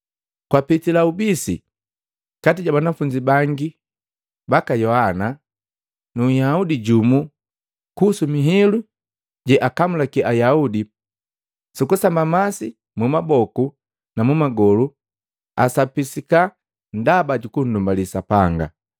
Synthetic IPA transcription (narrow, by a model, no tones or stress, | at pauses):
kwapitilaubisi | katiɟabanafuɲd͡ʒibaŋɡi | bakajɔhana | nujaudiɟumu | kusumiɦilu | ɟɛʔakamulakɛʔajaudi | sikusambamasi | mumabɔku | namumaɡɔlu | asapisika | ndabaɟukun̩dumbalisapaŋɡa̰